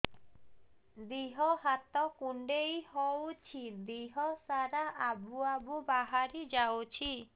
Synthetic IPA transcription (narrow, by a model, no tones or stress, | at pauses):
d̪iɦɔɦat̪ɔkuɳɖejhowt͡ʃʰid̪iɦɔsaɾaʔabuabubaɦaɾid͡ʒawt͡ʃʰi